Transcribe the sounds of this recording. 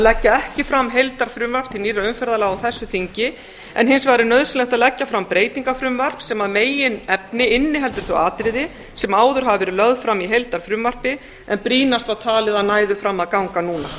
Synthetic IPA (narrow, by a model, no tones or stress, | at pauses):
lɛcːaɛhcɪfɾamːɦejlt̪aɾ̥fɾʏmvar̥p̚t̪ʰɪlniːraʏmfɛɾðalaːɣawθɛsːʏθiɲcɪ | ɛ̰nɦɪnsvaːjɾɪɾnœðsɪnlɛxt̪aðlɛcːafɾampɾeːjt̪iŋkafɾʏmvar̥psɛmaðmeːjɪnɛpnɪɪnːɪɦɛlt̪ʏɾ̥θʏaːt̪ɾɪðɪ | sɛmaːwðʏɾ̥ɦavavɛɾɪlœɣðfɾamːiɦejlt̪aɾ̥fɾʏmvar̥pɪ | ɛnpɾiːnast̪aðt̪ʰaːlɪðaðnaːjðʏfɾamːaðkawŋkanuːna